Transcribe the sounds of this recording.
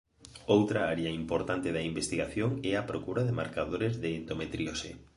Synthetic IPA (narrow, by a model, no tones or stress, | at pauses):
owt̪ɾaaɾeaimpoɾt̪ant̪eðɐimbest̪iɣaθjoŋɛapɾokuɾaðema̰ɾkaðoɾezðeːnd̪omet̪ɾiosḛ